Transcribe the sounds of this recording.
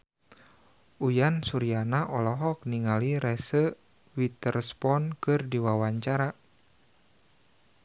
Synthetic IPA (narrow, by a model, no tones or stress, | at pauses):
ʔujansuɾianaʔɔlɔɦɔk̚niŋaliɾɛsə | wit̪ərspɔnkɨrdiwawaɲt͡ʃaɾa